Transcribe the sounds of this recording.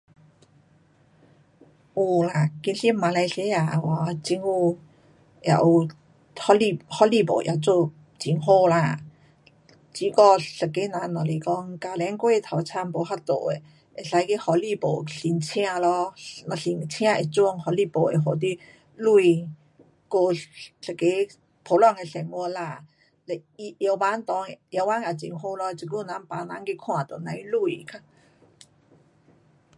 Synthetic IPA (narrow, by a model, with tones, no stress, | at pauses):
ʔu˧˩la˨˩ki˧nɬi˦˥ma˧la˧jse˦˥a˨˩˨wa˨˧˦t͡ɕi˧˥ŋhu˧ | ja̰˨˩ʔu˧ | hɔ˦˥li˧˩hɔ˦˥li˥˧˨po̰˨˩˨ʔjʔa˨˩t͡so˥˧˨ | t͡ɕi˨˩˦ŋɦo˥˧˨la˧˩ | t͡ɕi˧˦kɔ˧ɬə˨˩kːe˦nã˨˦nɔ˨˩le˨˩kɔ˧˩ŋka˨la˧˦ŋkwe˥˧t̪ʰa˨˩wt͡sʰa˧mpo˨˩ha˥˩t̪o˨˩e˨ | e˨˩ɬa˧˦jke˧˦hɔ˨˩li˧˨po˨˩ɬi˨ŋt͡ɕʰj̃ã˧lɔ˧˦na˨ɬi˨˩ŋ˨t͡ɕʰj̃ã˧ʔe˨t͡swɔ˧ŋhɔ˨˦li˧po˨e˨˩ɦo˨t̪̬i˦ | lu˧i˨ | ko˧ɬə˨˩kːe˧˦ | pʰo˨˦lɔ˧˨ŋe˨ɬɛ˨˩ŋɔ˧la˧˨ | le˧˨i˧jə˧wba˧˦nt̪ɔ˧˦ŋ˨jə˧˦wba˧˦na˨˩t͡ɕḭ˨˩ŋho˧lɔ˧˦˧t͡si˨ku˧˨nã˧˦npa˨˧nã˧˦nki˧kʰw̃ã˧˨t̪o˨˩nã˧˦i˦lu˧˨kʰa˧